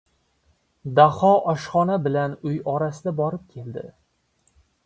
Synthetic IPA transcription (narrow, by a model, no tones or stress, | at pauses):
d̪ahɒʔɒʃχɒnabɪlanʊjɒɾasɪd̪abɒɾɪp̚kʲʰe̞ld̪ɪ̰